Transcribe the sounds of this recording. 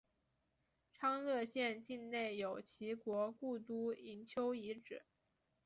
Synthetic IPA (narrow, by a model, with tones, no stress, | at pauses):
ʈ͡ʂʰɑ˥ŋlɤ˥˧ɕjɛ˥˧nt͡ɕi˥˧nne˥˩ɪjo˨˩ʊt͡ɕʰi˧˥kwɔ˧˥ku˥˩t̪u˥i˧˥nt͡ɕʰjo˥ʊi˧˥ʈ͡ʂɻ̩˨˩˦